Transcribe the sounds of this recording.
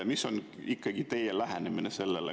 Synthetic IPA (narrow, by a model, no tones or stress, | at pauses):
misːo̞nikːɑɡ̥it̪e̞jelæɦæneminese̞lːelḛ